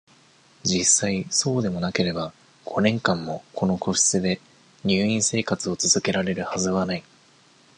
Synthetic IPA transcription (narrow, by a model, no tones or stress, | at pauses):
d͡ʑisːaiso̞ːd̪e̞mo̞nake̞ɾe̞ba | ɡ̥o̞nẽ̞ŋkãmːo̞kʰo̞no̞ko̞ɕi̥t͡sɨd̪e̞ | ɲ̟ɨːĩɰ̃se̞ːkat͡sɨo̞t͡sɨzɨke̞ɾaɾe̞ɾɯ̟hazɨβanai